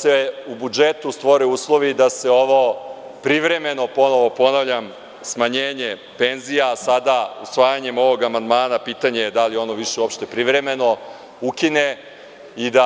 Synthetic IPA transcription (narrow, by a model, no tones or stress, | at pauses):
seubud͡ʒet̪ust̪ʋoɾeuːslˠo̞ʋid̪aseo̞ʋo̞ | pɾiʋɾe̞me̞no̞po̞no̞ʋo̞po̞naʋʎam | smaɲeːɲe̞ | pe̞nzijasad̪ausʋaːjaɲe̞mo̞ʋo̞ɡamand̪maːnapiːt̪aɲeed̪alio̞no̞ʋiʃeuopʃt̪e̞pɾiʋɾe̞me̞no̞ | ukine̞ | id̪a